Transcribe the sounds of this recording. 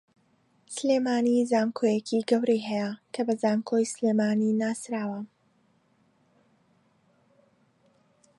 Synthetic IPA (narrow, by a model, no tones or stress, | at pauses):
sleːmaːnizaːmkʰoːjecʰiɡɐwɾejɦɛjɐkʰɐbɐzaːmkʰojsleːmaːninaːsɾaːwɐ